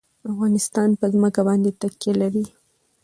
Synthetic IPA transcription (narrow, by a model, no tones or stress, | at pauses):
afɣɑnɪst̪ɑnpəzməkabɑnd̪et̪akjelaɾi